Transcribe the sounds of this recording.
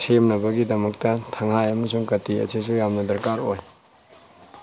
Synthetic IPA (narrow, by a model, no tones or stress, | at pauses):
sʰemnɐbɐɡidɐmɐk̚tɐtʰɐŋhajɐmɐs̬uŋkɐtiɐ̰sis̬ujamnɐdɐɾkaɾoj